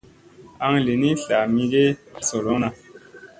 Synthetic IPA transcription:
a˧ŋle˨ni˦ɬa˨mi˧ɡe˦so˨lo˨˦na˨

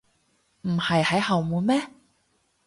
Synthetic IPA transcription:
m̩˨˩hɐ˨jhɐ˨˥jhɐ˨wmuː˨˧˥nmɛː˥

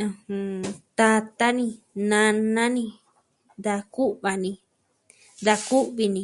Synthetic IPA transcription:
ũ˧hũ˧t̪a˧t̪a˦nĩ˧ | nã˧nã˦nĩ˧ | nd̪a˧ku˦ʔβa˧nĩ˧ | nd̪a˧ku˦ʔβi˧nĩ˧

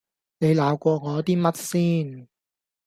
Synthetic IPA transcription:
ne˨˧jlaː˨˧wkʷɔː˧ŋɔː˨˧t̪iː˥mɐ˥t̚siː˥n

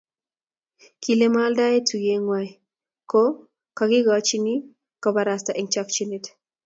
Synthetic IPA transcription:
ki˨le˦ma˦lda˦je˦tʰu˨ɡe˦ŋwa˦j | kɔ˦ | kaɡɪ˦ɡat͡ʃi˦ni˦ | kɔ˨ba˨ɾasta˨ʔi˨ŋt͡ʃa˦k̚t͡ʃi˦ne˨t

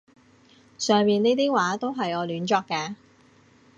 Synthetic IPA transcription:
sœː˨ŋmiː˨neː˥t̪iː˥waː˨˥t̪o˥wɦɐ˨jɔː˨˧lyː˨˥nt͡ʃɔː˧kːaː˧

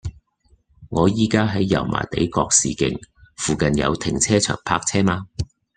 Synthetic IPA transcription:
ŋɔː˨˧jiː˥kaː˥ɦɐ˨˥jːɐ̰˨˩wma̰ː˨˩jt̪e˨˥jkɔː˧k̚sḭː˨kɪ̰˨˧ŋfuː˨kɐ˨njɐ̰˨˧wt̪ʰɪ˨˩ŋt͡sʰɛː˥t͡ʃʰœ̰ː˨˩ŋpʰaː˧k̚t͡sʰɛː˥maː˧

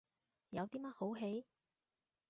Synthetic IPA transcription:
jɐ˨˧wt̪iː˥mɐ˥t̚ho˨˥wɦe˨˥j

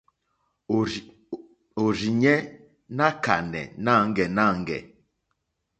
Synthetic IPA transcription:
o˨ɾi˨ɲɛ˦ | na˦ka̰˨nɛ̰˨na˦˨˦ŋ˦ɡɛ˨na˦˨ŋ˦ɡɛ̰˨

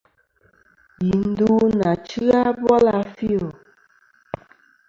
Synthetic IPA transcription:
i˨n̩˦du˦na˨t͡ʃi˦a˦bwɔ˦la˨fi˦o˨

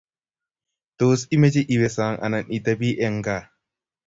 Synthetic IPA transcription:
t̪oː˨si˦me˦d͡ʒi˦ʔi˨we˨saː˨ŋʔɐ̰˨nɐ˨nʔi˨d̪ɐbi˦ʔeŋɡaː˨

